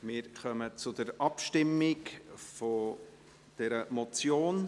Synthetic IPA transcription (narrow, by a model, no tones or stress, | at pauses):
mɪːɾkœmət͡sʊd̪əɾɑpʃtɪmːɪkfo | d̪̥ɛɾəmɔt͡sjoːn